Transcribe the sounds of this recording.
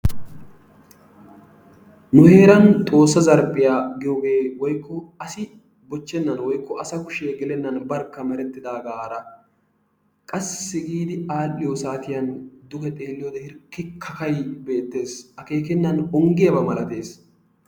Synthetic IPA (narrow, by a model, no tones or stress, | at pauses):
nʊhe̞ːɾɐnt̪ʼo̞ːsːɐzɐɾpʼːɪjaːɡɪjoːɡe̞ːwɔjkːɔɐsɪ | bɔt͡ʃːɛnːɐnwɔjkːɔʔɐsɐkʊʃeːɡɪlɛnːɐnbɐɾkːɐmɛɾɛt̪ːɪd̪aːɡaːɾɐ | kʼɐsːɪsɪɡiːd̪ɪaːɗɪjosaːt̪ɪjɐnd̪ʊkɛt̪ʼe̞ːlːɪjoːd̪ɐhɪɾkːɪkʰːɐkɐjbe̞ːt̪ːe̞ːsɐke̞ːkɛnːɐnɔŋɡɪjɐbɐmɐlɐt̪e̞ːs